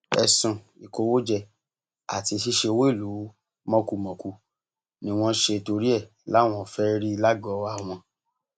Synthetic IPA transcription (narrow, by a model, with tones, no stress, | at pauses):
ɛ̰˧˨sũ˨ | i˨ko˧wo˦d͡ʒɛ˧ | a̰˨ti˧ʃi˦ʃe˧o˧wo˦i˦˨lu˨˦ | mɔ̃˦ku˦˧mɔ̃˨ku˧ | nĩ˧w̃ɔ̃˦ʃe˧to˧ɾi˦ɛ˦˨ | la˨˦˨w̃ɔ̃˦˨fɛ˦ɾi˦i˧la˦ɡɔ˨˦a˦˨w̃ɔ̃˧